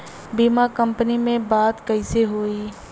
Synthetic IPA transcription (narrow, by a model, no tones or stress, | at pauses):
biːmakə̃mpənimẽbaːd̪kɐɪseɦoːiː